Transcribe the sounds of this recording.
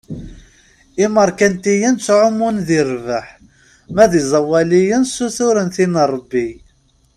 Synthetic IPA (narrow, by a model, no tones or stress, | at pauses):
iməɾˤkænt̪ijænt͡sːʕʊmːunðiɾvəħ | mæðizˤɑwælijənsuθʊɾənθinrˤːəbːi